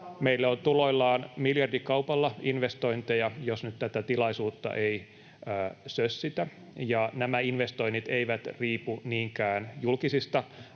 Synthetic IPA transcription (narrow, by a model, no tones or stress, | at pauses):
meilːæont̪uloilːɑːnmiljɑrdikɑupɑlːɑinʋest̪oint̪ejɑjosnyt̪t̪æt̪æt̪ilɑisuːt̪ːɑ̰ʔei | əːsøssit̪æ | jɑnæmæinʋest̪oinit̪eiʋæt̪riːpuniːŋkæːnjulkisist̪ɑ